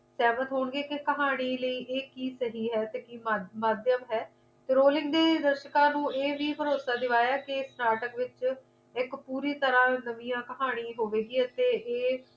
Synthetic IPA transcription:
sɛːmət̪ɦoːɳɡeːkɪkəɦaːɽ̃iːləiːʔeːkiːsəɦiːɦɛːt̪eːkiːmamaːd̪jəmɦɛː | t̪eːɾoːlɪ̃ŋɡd̪eːd̪əɾʃəkãːnũːeːʋiːpʰəɾoːsaːd̪ɪʋaːjaːkɪsnaːʈəkʋɪt͡ʃ | ɪkpuːɾiːt̪əɾãːnəʋiːjãːkəɦaːɽ̃iːɦoːʋeːɡiːɛːt̪eːʔeː

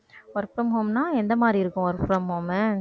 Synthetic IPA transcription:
ɔɾpʊɾɐmɦoːmnaːɛnd̪ɐmaːd̪ɾiɪɾɯkːʊ̃ɔɾpɪɾɐmɦoːm

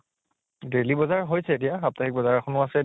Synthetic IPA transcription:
delibɔzaɹɦojsɛːt̬ijaxap̚taxik̚bɔzaɹaxʰɔnʊasɛ

